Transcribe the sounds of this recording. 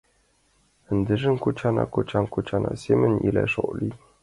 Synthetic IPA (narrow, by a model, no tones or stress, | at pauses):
ənd̪əʐəŋkut͡ʃʰana̰kut͡ʃaŋkut͡ʃana̰semənḭla̰ʂo̰li